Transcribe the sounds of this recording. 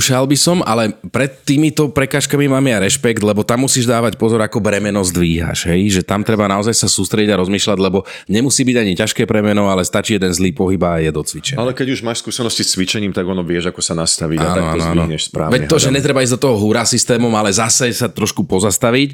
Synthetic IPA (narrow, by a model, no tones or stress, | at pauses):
ʃalbisɔmalɛpɾɛt̪ːiːmit̪ɔpɾɛkaːʃkamimaːmɛjaɾɛʃpɛkt̪lɛbɔt̪amːusiːʒd̪aːʋacpɔzɔɾakɔbɾɛmɛnɔzd̪ʋiːɦa̰ʃɦɛjʒɛt̪amt̪ɾɛbanaɔzajsasuːst̪ɾɛɟiɟaɾɔzmiːʃlaɟlɛbɔ | ɲɛmusiːbiɟaɲicaʃkɛːpɾɛmɛnɔalɛst̪at͡ʃiːjɛd̪ɛnzliːpɔɦibajɛd̪ɔt͡sʋit͡ʃɛnalɛkɛɟuʒmaːʃskusɛnɔscist͡sʋit͡ʃɛɲiːmt̪aɡɔnɔʋɪɛʒakɔsanast̪aʋiaːnaɔaːnzːiɔɲɛʃspɾa̰ːʋɛɔʒɛɲɛt̪ɾɛbaiːzd̪ɔt̪ɔɦɔɦuɾaːsist̪ɛːmɔmalɛzasɛsat̪ɾɔʃkupɔzast̪aʋic